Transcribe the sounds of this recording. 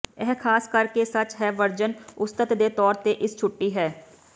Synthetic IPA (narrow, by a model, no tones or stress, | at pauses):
ɛɦkʰaːskəɾkeːsət͡ʃɦɛːʋəɾd͡ʒənʊst̪ət̪d̪eːt̪ɔːɾt̪eːʔɪst͡ʃʰʊʈːiːɦɛː